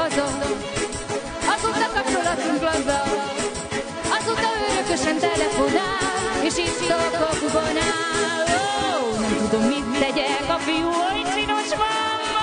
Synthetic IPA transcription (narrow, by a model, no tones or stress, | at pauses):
zo | ɒzoːt̪ːɒkɒp̚t͡ʃo̞lɒt̪uŋklɒzːɒ | ɒzot̪ɒøɾøkøʃɛnt̪ɛlɛfonaeːʃiːt̪t̪okokuɡona | o | nɛmt̪ud̪omːit̪ːɛɟɛkɒfijuit͡ʃinoʃvɒ | m